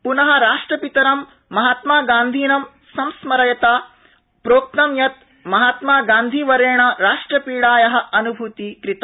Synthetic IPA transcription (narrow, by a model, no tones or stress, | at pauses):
punɐɦɐ̆ɾaːʂʈɾɐpit̪ɐɾɐmː | ɐɦaːt̪maːɡaːnd̪ʱiːnɐm | sɐmsmɐɾɐjɐt̪aː | pɾoːk̚t̪ɐmjɐt̪̚ | mɐɦaːt̪maːɡaːnd̪ʱiːʋɐɾeːɳɐɾaːʂʈɾɐpiːɽaːjɐɦɐ̆ɐnubʱut̪ikɾit̪a